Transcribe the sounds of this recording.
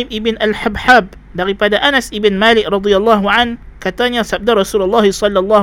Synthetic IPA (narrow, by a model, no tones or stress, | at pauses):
ɪmibɪnʔalħabħab̚ | daɾipadaʔanasibɪnmalɪk̚rɑd̪ialˤːɑɦuʕankat̪aɲasab̚daɾˤɑsulalːɑhisɔlːɑlːɑ